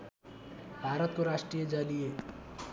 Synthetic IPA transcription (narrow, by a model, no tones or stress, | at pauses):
bʱaɾʌt̪̚koɾaʂʈɾijed͡ʒalije